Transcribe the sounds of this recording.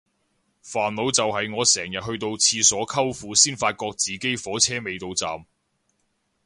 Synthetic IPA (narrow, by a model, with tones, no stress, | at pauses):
faː˨˩nlo˨˧wt͡sɐ˨wɦɐ˨jŋɔː˨˧sɛː˨˩ŋjɐ˨t̚hɦɵ˧ɥt̪̬o˧wt͡sʰiː˧sɔː˨˥kʰɐ˥wfuː˨˧siː˥nfaː˧t̚kɔː˧k̚t͡siː˨˩ke˥jfɔː˨˥t͡sʰɛː˥me˨˧jt̪o˧wt͡sa̰ː˨m